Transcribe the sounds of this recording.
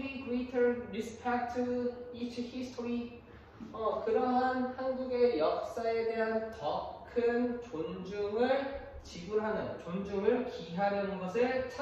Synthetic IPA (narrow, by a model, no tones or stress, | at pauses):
ikɾitʰʌnɾispʰak̚tʰɯit͡ɕʰɯhisʰtʰoɾi | ʌkɯɾʌɦanhanɡuɡe̞jʌk̚s͈ae̞de̞ɦantʌkʰɯnt͡ɕond͡ʑuŋɯɭ | t͡ɕiɡuɾɦanɯnt͡ɕond͡ʑuŋɯɭkiɦaɾjʌnnɡʌsʰɯɭt͡ɕʰ